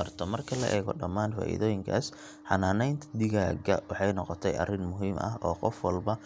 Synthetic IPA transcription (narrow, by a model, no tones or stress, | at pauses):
ɐrt̪ʰɔmɐrkʰɐlɐʔɛːɣɔ̰ɖɐmːaːnfa̰ːʔḭðɔːjɪŋkʰa̰ːs | ħɑnaːnɛjnt̪ʰɐd̪ɪɣaːɡɐwɑħɑjnɔqɔt̪ʰɛjʔɐ̰rɪnmʊɦiːmɐ̰ɦɔːqɔfwɐlbɐ